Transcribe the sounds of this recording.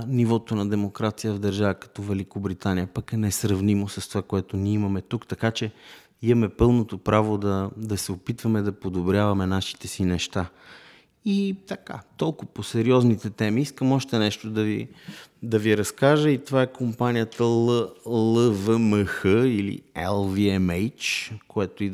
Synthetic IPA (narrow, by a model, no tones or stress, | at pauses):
nivɔt̪onɐd̪ɛmokɾat̪sijəvd̪ɐɾʒavəkɐ̥t̪ɔvɛlikobɾit̪anijəpɐkɛnɛsɾɐvnimosəst̪ovakoɛt̪oniimɐmɛt̪ukt̪ɐkat͡ʃɛ | iɐmɛpɤlˠnot̪opɾavod̪ɐd̪ɐsɛopit̪vɐmɛd̪ɐpod̪obɾʲjavɐmɛnaʃi̥t̪ɛsinɛʃt̪a | it̪ɐka̰t̪ɔlˠkʊɐposɛɾiɔznit̪ɛt̪ɛmiiskəmɔʃt̪ɛnɛʃt̪od̪ɐvḭd̪ɐviɾɐskaʒəit̪ovaɛkʰompanijət̪əlˠəlˠəvəməxəilḭɛ̰lˠviɛmɛjt͡ʃkoɛt̪oi